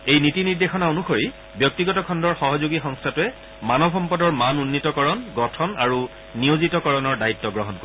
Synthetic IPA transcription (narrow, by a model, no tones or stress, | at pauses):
ejnitiniɹd̪exɔnaonuxoɹi | bjɔk̚tiɡɔtɔkʰɔndɔɹxɔɦɔzoɡixɔŋstʰatʊɛ | manɔbɦɔmpɔdɔɹmanunːitɔkɔɹɔnɡɔtʰɔnaɹu | nijozitɔkɔɹɔnɔɹdaitːɔɡɹɔɦɔnko